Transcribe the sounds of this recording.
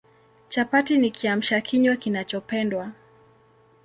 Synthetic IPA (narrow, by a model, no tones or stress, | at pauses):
t͡ʃapatinikʰiam̩ʃakʰiɲwakinat͡ʃɔpɛndwa